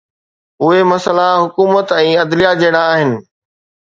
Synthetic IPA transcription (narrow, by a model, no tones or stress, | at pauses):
ʊɦemɐsəlaɦʊkuːmət̪ɛ̃ːɐd̪lijad͡ʑeɪɽ̃aːɦɪnɪ̆